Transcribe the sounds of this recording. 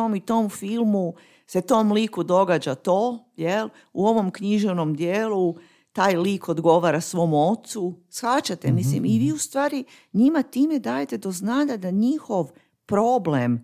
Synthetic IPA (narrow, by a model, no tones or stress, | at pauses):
omit̪o̞mfilˠmu | se̞t̪o̞mliːkud̪o̞ɡaːd͡ʑat̪o̞ː | jel | uo̞ʋo̞mkɲiʒeʋno̞md̪jeːlu | t̪aːjliːko̞d̪ɡo̞ʋaːɾasʋo̞muo̞t̪susxat͡ɕat̪emislḭmiʋiːust̪ʋaːɾi | ɲimat̪iːme̞d̪aːjet̪e̞d̪o̞znaːʎad̪aɲixo̞ʋ | pɾo̞blem